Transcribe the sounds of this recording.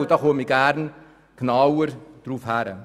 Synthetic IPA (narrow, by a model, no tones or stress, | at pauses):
dɔχuːəmiɡaɾn | kʰnawəɾd̥ɾuːfhaɾə̰